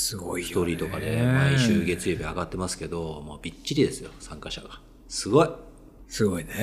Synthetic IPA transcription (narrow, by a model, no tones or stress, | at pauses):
sɨɡoit̪o̞ːɾʲiːt̪okad̪e̞maĩɕɨːɡe̞t͡sɨjobʲiaɡat̪ːe̞masɨ̥ke̞d̪o̞moːbʲit͡ɕːiɾʲid̪e̞sɨjo̞sãŋkaɕa̰ɡa | sɨɡo̞i | sɨɡoine